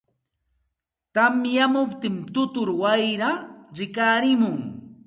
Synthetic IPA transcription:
t̪amjamʊpt̪ɪmt̪ʊt̪ʊɾwajɾaɾɪkaːɾɪmʊŋ

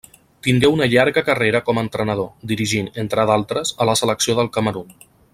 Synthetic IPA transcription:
t̪iŋɡɛwunəʎaɾɣəkəreɾəkɔməːnt̪ɾənəðod̪iɾiʒinənt̪ɾaðalˠt̪ɾəzələsələksioðəlˠkəməɾun

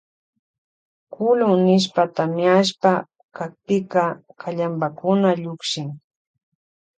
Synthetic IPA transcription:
kʊlʊŋnɪʃ̬pat̪amɪaʃ̬pa | kak̚pɪkakʰaʎambakʊnaʎʊkʃɪŋ

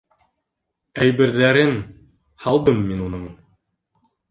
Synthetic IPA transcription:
æjbɘ̆ɾðæɾɘn | hɑlˠd̪ɤmːinunɤɴ

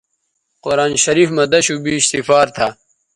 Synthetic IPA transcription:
qoɾaːnɕɐɾiːfmɐd̪ɐɕubiːɕt̪ifaːɾt̪ʰa

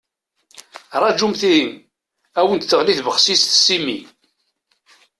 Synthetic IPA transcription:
rˤɑd͡ʒumθiim | æwənd̪θəʁliθvəχsisθsːimːi

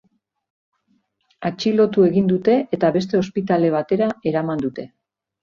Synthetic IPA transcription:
at͡ʃilo̞t̪ue̞ɣind̪ut̪e̞ʔet̪aβe̞st̪e̞o̞spit̪ale̞β̞at̪e̞ɾae̞ɾamand̪ut̪e̞

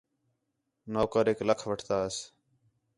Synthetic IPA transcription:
noːkəɾeːkləkʰʋəʈʰt̪aːəs

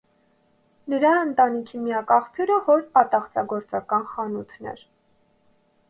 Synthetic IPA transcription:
nəɾɑənt̪ɑnikʰimijɑkɑχpʰjuɾəvɔɾpɑt̪ɑχt͡sɑɡɔɾt͡sɑkɑnχɑnut̪ʰnɛ̰ɾ

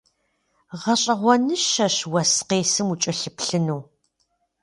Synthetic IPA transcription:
ʁɐɕʼɐʁʷɔnɨʃɐɕwɐsqeːsɨmut͡ʃʼɐɬɨpɬɨnuw

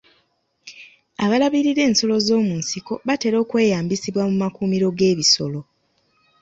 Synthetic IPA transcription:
aβalaβiɾiɾe̞ːnso̞lo̞zo̞ːmuːnsiko̞βate̞ɾo̞ːkwe̞ːjaːmbisiβwamumakuːmiɾo̞ɡe̞ːβiso̞lo̞

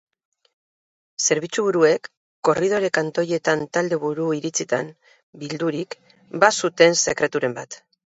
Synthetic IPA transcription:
se̞ɾβ̞it͡suβuɾue̞kː | o̞rið̞o̞ɾe̞kant̪o̞je̞t̪ant̪ald̪e̞β̞uɾuiɾit͡sit̪a̰n | bild̪uɾik | basut̪e̞nse̞kɾe̞t̪uɾe̞mbat̪

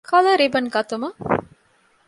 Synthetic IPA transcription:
kʰɐlɐɾibɐnɡɐt̪umɐ

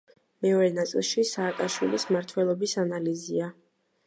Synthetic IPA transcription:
mɛɔɾɛnat̪sʼḭlˠʃisaːkʼaʃwilismaɾt̪ʰwɛlˠɔbisanalizia

